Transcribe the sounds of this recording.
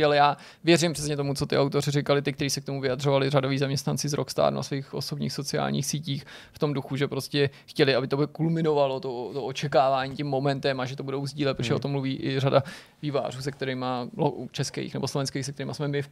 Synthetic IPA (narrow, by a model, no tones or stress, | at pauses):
alɛjaː | vjɛrɪmpr̥ɛsɲɛt̪o̞mut͡so̞t̪ɪ̰ʔawt̪o̞rɪrɪkalɪt̪ɪkt̪ɛɾiːsɛkt̪omuvɪjad̪r̝o̞valɪradoviːzamɲɛst̪nant͡sɪzɾokst̪a̰ːd̪una̰sviːxʔosobɲḭːxso̞t͡sɪa̰ːlɲḭːxsiːciːxft̪o̞mduxuʒɛpɾo̞scɛxcɛlɪabɪt̪obkulmɪno̞valo̞t̪ot̪oʔot͡ʃɛkaːvaːɲiːcɛmːo̞mɛnt̪ɛmaʒɛt̪obudo̞wzɟiːlɛt̪pɾoʒɛʔot̪omːluviːʔɪrada | viva̰ːruːsɛk̚t̪ɛɾɪmalo̰ut͡ʃɛskɛ̰jxnɛboslo̞vɛnskɛjxsɛk̚t̪ɛɾiːmasmɛmɪf